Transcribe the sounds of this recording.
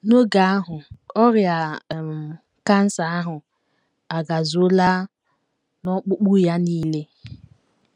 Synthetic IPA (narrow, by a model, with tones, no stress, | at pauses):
no˦ɡa˨a˦ɦʊ˨ɔ˦ɾja˨m˨ | ka˦n̩˦sa˨a˦ɦʊ˨ | a˨ɡa˨zo˦la˦ | nɔ˦k͡pʊ˦k͡pu˦ja˦niː˦le˦